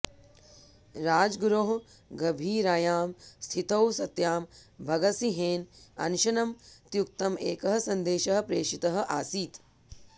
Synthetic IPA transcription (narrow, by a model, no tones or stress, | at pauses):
ɾaːd͡ʒɡɾoɦ | ɡɐbʱiːɾaːjaːmst̪ʰit̪ɐwsɐt̪jaːmbʱɐɡɐsiɦeːnɐ̰nuʃɐnɐmt̪juk̚t̪ɐmeːkɐɦɐ̆sɐnd̪eːʃɐɦɐ̆pɾeːʃit̪ɐɦɐ̆ʔaːsiːt̪